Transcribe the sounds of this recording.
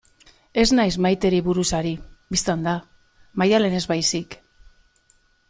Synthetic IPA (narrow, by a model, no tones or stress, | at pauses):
e̞znajzmajt̪e̞ɾiβuɾusaɾibist̪and̪a | majale̞ne̞zβajsik